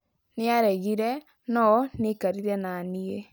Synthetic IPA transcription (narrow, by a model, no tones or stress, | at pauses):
nɪaɾɛɣiɾɛ | nɔnɪkaɾiɾɛnanie